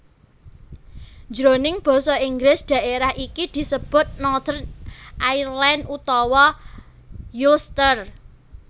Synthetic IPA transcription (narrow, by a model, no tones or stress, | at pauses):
d͡ʒɾonɪŋb̥ɔ̤sɔiŋɡlɪsd̪̥ä̤ʔeɾahʔikid̪̥i̤səb̥ʊ̤t̪̚nɔd̪̥ərʔairlɛnʔut̪ɔwɔ | julst̪ər